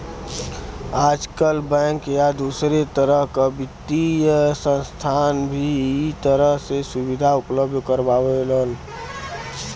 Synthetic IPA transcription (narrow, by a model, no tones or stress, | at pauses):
aːd͡ʒkəlbɛ̃ŋkjad̪usɾet̪əɾəɦkabɪt̪ːijsə̃nst̪ʰanbʱit̪əɾəɦsesubid̪ʱaʊpləbd̪ʱkəɾbaweləl